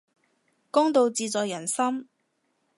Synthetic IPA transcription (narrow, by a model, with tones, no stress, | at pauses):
kʊ˥ŋt̪o˧wt͡siː˨˧t͡sɔː˨jɐ˨˩nsɐ˥m